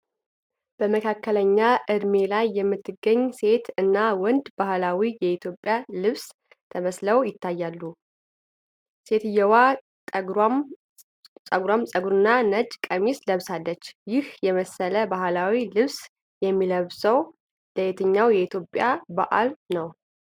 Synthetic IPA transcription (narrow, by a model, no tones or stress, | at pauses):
b̥əməkʰakʰːələɲːaʔɨd̪me̞lajːɛmːɨt̪ːɨɡəɲːse̞t̪ɨnːawɔnd̪bahlawijɛit̪ʰjo̞pʼjalɨβs | t̪ʰəməsləwjɪt̪ʰːajːalːu | se̞t̪ɨjːɛwa | t̪ʼm | sʼəɡɾamsʼəɡuɾɨnːanəd͡ʒkʼəmisləβsalːət͡ʃːjɪhjɛməsələbahlawilɨβs | jɛmːiləβsəw | ləet̪ʰɨɲːawjɛit̪ʰjo̞pʼjabaʔa̰lnəw